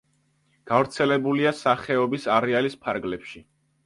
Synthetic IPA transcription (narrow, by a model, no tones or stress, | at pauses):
ɡ̥avɾt̪sʰɛlɛbuliasaχɛɔbisaɾɛalispʰaɾɡlɛpʃi